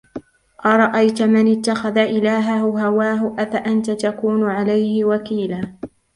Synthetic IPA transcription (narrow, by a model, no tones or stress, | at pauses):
ʔɑɾˤɑʔajt̪mɪnɪt̪ːaxaðaʔɪlaːɦahʊɦawaːɦʊʔafaʔant̪at̪akuːnʊʕalajhɪwakiːlaː